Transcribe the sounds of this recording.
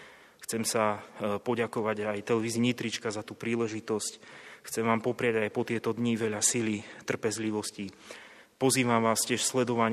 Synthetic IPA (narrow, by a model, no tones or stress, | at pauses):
xt͡sɛmsapɔɟakɔʋaɟajt̪ɛlɛʋiːziɲit̪ɾit͡ʃkazat̪uːpɾiːlɛʒit̪ɔscxt͡sɛmʋaːmpɔpɾɪaɟajpɔt̪ɪɛt̪ɔd̪ɲiʋɛʎasilit̪r̩pɛzliʋɔsci | pɔziːʋamʋaːscɪɛʃslɛd̪ɔʋaɲ